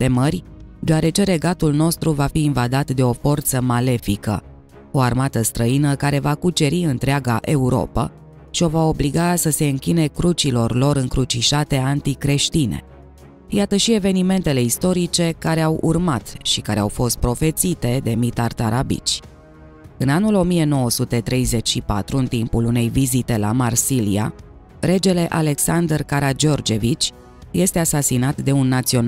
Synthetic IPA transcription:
t̪e̞mərʲd̪eaɾe̞t͡ʃe̞ɾe̞ɡat̪ulno̞st̪ɾuvafiːnvad̪at̪d̪e̞o̞fo̞rt̪səmale̞fikə̰ | o̞armat̪əst̪ɾəinəkaɾe̞vakut͡ʃe̞ɾiɨnt̪ɾeaɡaʔe̞uɾo̞̰pə̰ | ʃio̞vao̞bliɡasəse̞ɨŋkʲine̞kɾut͡ʃilo̞rlo̞ɾɨŋkɾut͡ʃiʃat̪e̞ant̪ikɾe̞ʃt̪inḛ | jat̪əʃie̞ve̞nime̞nt̪e̞le̞ist̪o̞ɾit͡ʃe̞kaɾe̞awʔṵrmat̪ʃikaɾe̞awfo̞st̪̚pɾo̞fe̞t̪sit̪e̞d̪e̞mit̪art̪aɾabḭt͡ʃʲ | ɨnanulo̞mije̞no̞wəsut̪e̞t̪ɾe̞jze̞t͡ʃʃipa̰t̪ɾuɨnt̪impulune̞jvizit̪e̞la̰marsilija̰ | ɾe̞d͡ʒe̞le̞ʔale̞ksand̪rkaɾad͡ʒo̞rd͡ʒe̞vit͡ʃʲ | je̞st̪e̞asasinat̪d̪e̞unːat̪sio̞n

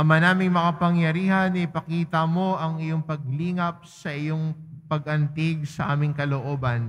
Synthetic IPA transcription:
ɐmanaːmɪŋmɐkɐpɐŋjɐɾiːhɐnɐɪpɐkiːt̪ɐmo̞ʔɐŋɪjoŋpɐɡ̚liːŋɐp̚sɐʔɪjoŋpɐɡʔɐnt̪ɪɡ̚sɐʔa̰ːmɪŋkɐloʔoːbɐn

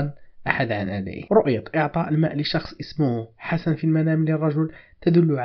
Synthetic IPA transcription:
nʔaħad̪ʕanʔad̪æ̰ʔɾˤʊʔjɑt̪ʔəʕt̪ˤɑʔəlmæʔləʃɑxsˤʔəsmʊhħasanfilmænæmlːirˤːɑʒʊlt̪æd̪ʊlːʊʕ

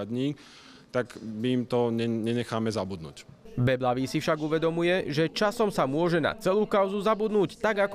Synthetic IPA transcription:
d̪ɲiː | t̪akmimt̪ɔɲɛɲɛɲɛxaːmɛzabud̪nṵːcbɛblaʋisifʃaɡuʋɛd̪ɔmujɛʒɛt͡ʃasɔmsamʊɔʒɛna̰t͡sɛluːkaʊzuzabud̪nuːct̪aɡak

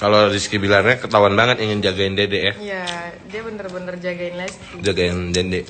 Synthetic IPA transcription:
kalodiskibilarɲakət̪awanbaŋət̪iŋɪnd͡ʒaɡaɪndedeʔjajadiabənərbənərd͡ʒaɡaɪnlas | d͡ʒaɡaɪndende

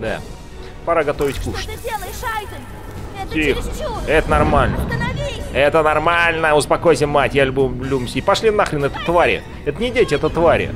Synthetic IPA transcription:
d̪a̰ | pɐɾaɡɐt̪ovʲɪtʲkuʂt̪ʲ | tʲixɛt̪ənɐrmalʲnə̰ | ɛt̪ənɐrmalʲnəʊspɐkojs̬ʲɪmmːatʲjalʲʉbublʲumsʲipɐʂlʲinnaxɾʲɪnɛt̪ət̪vaɾʲɪ̰ | ɛt̪ənʲɪdʲetʲɪɛt̪ət̪vaɾʲɪ̰

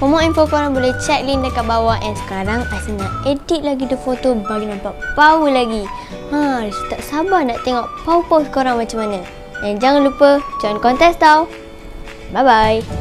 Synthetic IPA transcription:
pomɔ̃ʔinfokoɾaŋbolɛht͡ʃɛt̪̚lindəkaʔ̚bawaʔɛnsə̥kaɾaŋasinaʔedit̪̚laɡidəfot̪obaɡinãmpaʔpaulaɡi | ast̪aʔsabanaʔt̪eŋɔʔpaupasə̥koɾaŋmat͡ʃamanal | dɛnd͡ʒaŋãnlupəd͡ʒɔjnkɔnt̪ɛst̪aw | bajbaj

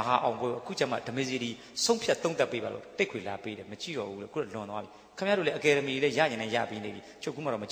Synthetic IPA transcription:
əɦaʔãʊ̃pwɛoʔəkʰṵt͡ɕãm̥a̰dəmezed̪i | sõʊ̃mpʰjat̪õʊ̃t̪apːebalo̰t̪ekʰwelapeɾɛmət͡ɕḭɾɔ̰bulɛ̰kṵɾɔlʊ̃nt̪wabi | kʰəmjadolɛʔəkɛɾəmielɛja̰jɪ̃nãjä̰penḛbjit͡ɕʰokːumaɔ̰mət͡ɕ

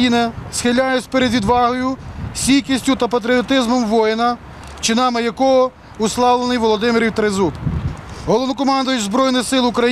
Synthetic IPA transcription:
inɪsxɪlʲːajʊsʲpeɾed̪ʲʋʲid̪ʋɑɦɔjʊsʲijkʲisʲtʲʊt̪ɐpɐt̪̬ɾʲiɔt̪ɪzmɔmʋɔjɪnɐ | t͡ʃɪnɑmɪjɐkɔɦɔ | ʊslˠɑwlˠenɪjʋɔlˠɔd̪ɪmɪɾʲiwt̪ɾezupɦɔlˠɔʋnɔkɔmɑnd̪ʊjʊtʲzbɾɔjnɪxsɪlˠʊkɾɐ

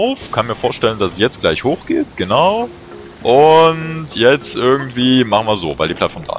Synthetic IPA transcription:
ʊfkʰanmiːɐfoːɐʃtɛləndassjɛt͡stɡ̥laɪçhoːxɡ̥eːtɡ̥ənaʊ | ʔʊntʰjɛt͡stʔɪɐɡŋ̩tv̥iːmaχn̩viːɐzo̰ːvaɪldiːplatfɔɐmd̥a̰ː

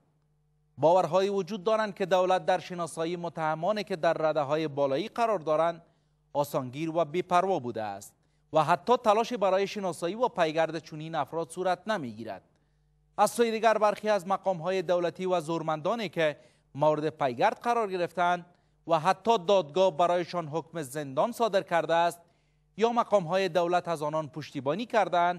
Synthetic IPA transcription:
bɒʋaɾɦɔjewʊd͡ʒud̪ːɒɾand̪̚ked̪awlat̪̚d̪aɾʃenɒsɔjimʊt̪ahamɔnekɪd̪aɾːad̪aɦɔjebɔlɔiqaɾɒɾd̪ɒɾand̪ | ɒsɔŋɡiɾwabepaɾwɔbud̪a̰ːst̪̚ | waɦat̪ːɔt̪alɔʃebaɾɔjeʃɪnɒsɔiwapajɡaɾd̪et͡ʃʰʊninafɾɔd̪suɾat̪̚namiɡiɾa̰d̪̥̚ | asːojed̪iɡaɾbaɾxeazmaqɒmɦɔjed̪awlat̪iwazoɾmand̪ɔneke | mawɾɪd̪ɪpajɡaɾd̪̚qaɾɒɾɡɪɾɪft̪aːnd̪̚ | waɦat̪ːɔd̪ɒd̪ɡɔbaɾɔjɪʃɔnɦʊkmɪzɪnd̪ɒnsɒd̪ɪɾkaɾd̪aːst̪̚ | jɒmaqɒmɦɔjed̪awlat̪azɒnɒnpʊʃt̪ibɔnikaɾd̪aːnd̪

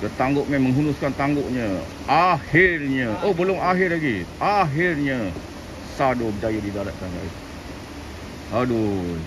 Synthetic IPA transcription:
kət̪aŋɡʊʔ̚mɛ̃mːəŋɦunʊskant̪aŋɡʊʔɲə̃ | ahɪrɲə̃ʔobəlʊŋaɦɪrlaɡiʔaɦɪrɲə | sadobəd͡ʒajadidalat̪̚kanlai | hado

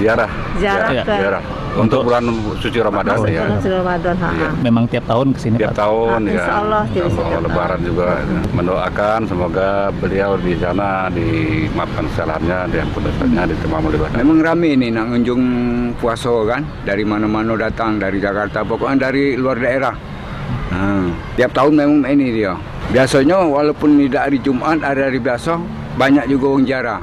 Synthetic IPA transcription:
d͡ʒiaɾah | d͡ʒaaiaɾah | unt̪ʊk̚bulan | sut͡ʃiɾamadanjaamadanɦa̰memaŋt̪iap̚t̪aʊnkəsiniiat̪aʊnjaalɔa̰lːɔaləbaɾan̚d͡ʒuɡaməndoʔakansəmoɡabəliawdisana | dimap̚kankə̥salaɦanɲadjaŋpʊndasa̰k̚ɲadit̪əmamulibat̪memaŋramɪnɪhnaʔŋuɲd͡ʒʊŋpuasɔkan | daɾimanamanodat̪aŋdaɾid͡ʒakart̪apokɔʔɲadaɾiluardaeɾah | ət̪iap̚t̪aʊnmemaŋinidia | biasaɲawalawpʊnːidaɾid͡ʒumʔat̪̚aɾiaɾibiasɔ | baɲak̚d͡ʒuɡawəŋɲd͡ʒaɾa

